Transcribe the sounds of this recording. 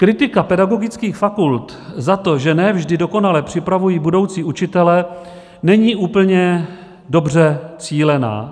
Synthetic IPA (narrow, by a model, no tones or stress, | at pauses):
kɾɪt̪ɪkapɛdaɡo̞ɡɪt͡skiːxfakult̪ | zat̪o̞ʒɛnɛvʒdɪdo̞ko̞nalɛpr̝̥ɪpɾavujiːbudo̞wt͡siːʔut͡ʃɪt̪ɛlɛ | nɛɲiːʔuːpl̩ɲɛ | do̞br̝ɛt͡siːlɛna̰ː